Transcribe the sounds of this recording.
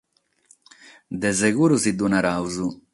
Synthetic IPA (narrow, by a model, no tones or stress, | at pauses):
d̪ɛzɛɡuɾusid̪unaɾawzu